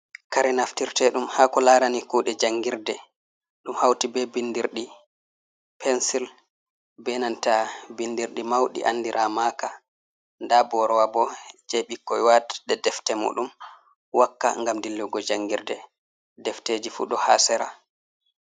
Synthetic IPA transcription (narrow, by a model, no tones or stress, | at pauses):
kaɾɛnaftiɾtɛɗumhaːkɔlaɾanikuɗɛd͡ʒaŋɡiɾdɛ | ɗumhawtibɛbindiɾɗi | pʰɛnsil | bɛnantabindiɾɗimawɗḭʔa̰ndiɾʔamaːka | ndabɔɾɔwabɔd͡ʒɛɓikːɔjwatɗɛdɛftɛmṵːɗum | wakːa̰ŋɡamdilːuɡɔd͡ʒaŋɡiɾdɛ | dɛfteːd͡ʒifṵːɗɔha̰ːsɛɾa